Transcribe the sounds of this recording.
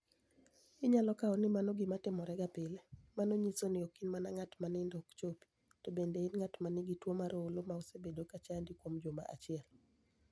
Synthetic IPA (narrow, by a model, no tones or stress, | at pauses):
ɪɲalɔkaɔnɪmanɔɡɪmatɪmɔɾɛɡapɪlemanoɲisonɪokinmanaŋatmanɪndɔkt͡ʃopi̥ | tobendeɪnŋatmanɪɡitwomaɾoolomaosebedokat͡ʃandikwomd͡ʒoma̰ʔat͡ʃɪɛl